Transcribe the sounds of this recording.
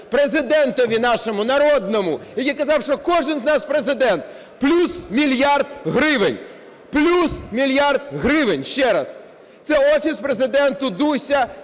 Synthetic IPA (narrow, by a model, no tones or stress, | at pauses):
pɾezɪd̪ɛnt̪ɔʋʲinaʂɔmʊnɐɾɔd̪nɔmʊijakɐzɑwʂt͡ʃɔkɔʐɨnznaspɾezɪd̪ɛnt̪ | plʲusmʲilʲjard̪ɦɾɪʋɪnʲ | plʲusmʲilʲjard̪ɣɾɪʋɪnʲʃt͡ʃɛɾɐs | t̪sɛɔfʲispɾezɪd̪ɛnt̪ʊd̪usʲɐ